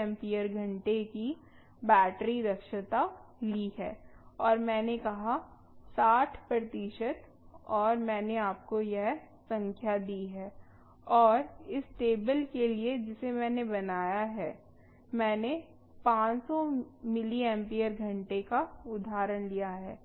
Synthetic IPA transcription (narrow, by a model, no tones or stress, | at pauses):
ɛ̃mpijəɾɡʱɐ̃ɳʈeki | bɛːʈɾiɾɐkʃət̪a | liɦɛ̰ːɔːɾmɛ̃ːnekɐɦa | saːʈʰpɾət̪iʃət̪ | ɔːɾmɛ̃ːneaːp̚kojɐɦ | sɐ̃ŋkʰjad̪iːɦɛː | ɔːɾɪsʈeːbəlkelied͡ʒɪsemɛ̃ːnebɐnaːjaɦɛː | mɛ̃ːne | pãːt͡ʃsɔmɪliɛ̃ːmpijəɾɡʱɐ̃ɳʈekaʊd̪ʱaːɾənlijaɦɛː